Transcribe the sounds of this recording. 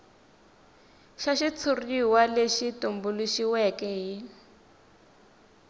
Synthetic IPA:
ʃaʃit͡sʰuriwaleʃitumbuluʃiwɛkɛɦi

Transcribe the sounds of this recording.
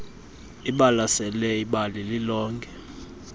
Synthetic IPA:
iɓalasɛlɛiɓalililɔːŋkʰʼɛ

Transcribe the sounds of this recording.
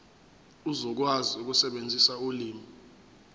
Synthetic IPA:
uzɔk̬waziuk̬usɛɓend͡zʱisauliːmi

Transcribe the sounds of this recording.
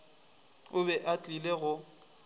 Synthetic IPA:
ʊbɛʔat͡ɬʼileɣʊ

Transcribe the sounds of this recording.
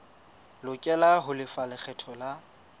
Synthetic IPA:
lʊkʼɛlaɦʊlɪfalɪk͡xʰɛtʰɔla

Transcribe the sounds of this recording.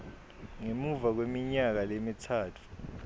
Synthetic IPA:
ŋemuvak̬wemiɲak̬alemitʰaːtʰu̥

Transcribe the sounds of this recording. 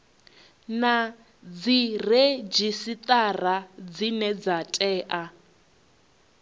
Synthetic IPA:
na | d͡zired͡ʒisit̪ʼarad͡zinɛd͡zatʼɛːʔa

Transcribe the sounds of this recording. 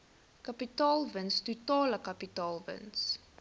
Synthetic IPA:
kɐpitɑːlˠvənstutɑːləkɐpitɑːlˠvə̰ns

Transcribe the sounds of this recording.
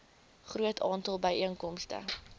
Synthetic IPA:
χruətʰɑːntɑlˠbəjʔiəŋkɔmstə̰

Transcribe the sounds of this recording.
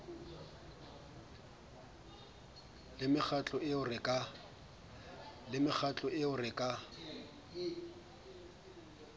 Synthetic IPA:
lɪmɪχʰat͡ɬʼɔɪʊrɪkʼa | lɪmɪχʰat͡ɬʼɔʔɪʊrɪkʼa

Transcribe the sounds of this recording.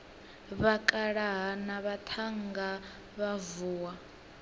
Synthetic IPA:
βakʼaɺaɦanaβat̪ʰaŋɡa | βavuːwa

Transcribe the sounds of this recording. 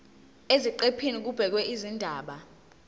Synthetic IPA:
eziǃepʰinik̬ub̥ʱɛk̬wɛʔizindʱaːɓa

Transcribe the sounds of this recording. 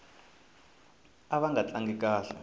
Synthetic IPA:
aɓaŋɡat͡ɬaŋɡik̬aːɬa̰

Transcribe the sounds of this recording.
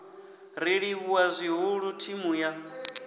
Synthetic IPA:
ɾiɺiβuwazʷiɦuɺutʰimuja

